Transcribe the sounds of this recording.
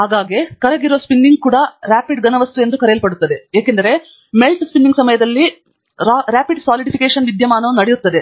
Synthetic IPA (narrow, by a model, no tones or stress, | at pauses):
ɦaːɡaːɡekɐɾɐɡiɾuʋɐspinːiŋɡ̚kuːɽɐɾaːpiɖɡɐnɐʋɐst̪ue̞nd̪ukɐɾejɐlpɐɽut̪ːɐd̪e̞eːkend̪ɐɾe̞ | melʈspinɖiŋɡsɐmɐjɐd̪ɐlːi | ɾaɾaːpiɖsaːliɖipʰikeːʂɐnʋid̪jɐmaːnɐʋunɐɽejut̪ːɐd̪e